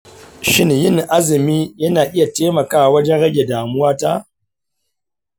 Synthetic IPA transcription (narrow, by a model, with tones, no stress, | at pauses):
ʃɪ˦njɪ˦˨ŋʔa˦zɪ˨miː˦jɐ˦naː˨ʔɪ˦ja˨teː˦mɐ˨kaː˦˨wɐ˦d͡ʒɛ˦nɽɐ˦ɡʲe˨daː˨mʊ˦waː˦ta˦